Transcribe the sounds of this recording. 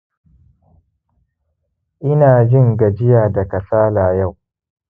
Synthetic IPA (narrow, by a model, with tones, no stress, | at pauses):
ʔɪ˦naː˨d͡ʒɪ˦ŋɡa˨d͡ʒɪ˦jaː˨da˨kɐ˨saː˦laː˨ja˦˨w